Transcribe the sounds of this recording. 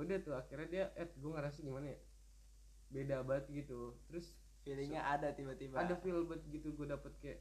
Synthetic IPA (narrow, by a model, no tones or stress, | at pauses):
diat̪ʊakirɲadiaʔɛt̪̚ɡuaŋaɾas̬aɡimanaja | bedabat̪̚ɡit̪ut̪ɾʊs | filəɲaʔadat̪ibat̪ibaadafilbat̪̚ɡit̪uɡuadapət̪̚kajaʔ